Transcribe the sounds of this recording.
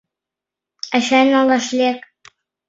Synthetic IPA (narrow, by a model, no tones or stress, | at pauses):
æʃænɑlˠɑʃlʲek